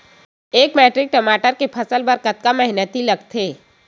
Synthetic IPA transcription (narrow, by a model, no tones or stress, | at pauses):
eːkmɛːʈɾɪk̚ʈɐmaːʈəɾkepʰɐsəlbɐɾkət̪kamɛɦnət̪ilɐɡt̪ʰeː